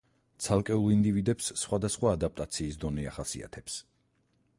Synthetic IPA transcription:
t̪sʰalˠkʼɛulˠind̪ivid̪ɛpsːχwad̪asχwaːd̪ap̚ʼt̪ʼat̪sʰiːsd̪ɔnɛa̰χasḭa̰t̪ʰɛps

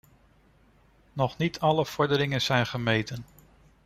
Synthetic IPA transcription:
nɔχnitʰɑləv̥ɔɹdəɾɪŋənz̥ɛjnχəmejtən

